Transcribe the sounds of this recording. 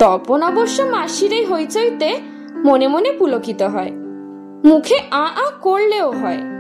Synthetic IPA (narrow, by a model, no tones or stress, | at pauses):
t̪ɔponɔboʃːomaʃiɾajɦojt͡ɕʰojt̪e | monemonepulokit̪oɦɔe | mukʰeʔaʔãkoɾleoɦɔe